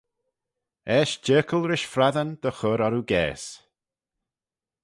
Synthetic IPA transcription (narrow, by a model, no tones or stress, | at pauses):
ɛːʃd͡ʒɜːkʰəlˠɾɪʃfɾaðənd̪̥əxɔɾɔɾuɡɛ̰ːs